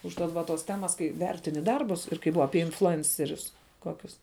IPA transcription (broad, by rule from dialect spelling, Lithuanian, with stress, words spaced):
ʊʃˈtɐt ʋɐ ˈtoːs ˈtʲæːmɐs ˈkɐɪ ˈʋʲɛrʲtʲɪnʲɪ ˈdɐrbʊs ɪr kɐɪ ˈbʊʋɐ ˈɑːpʲiɛ ɪnflˠʊˈɛnʲt͡sʲɛrʲʊs ˈkoːkʲʊs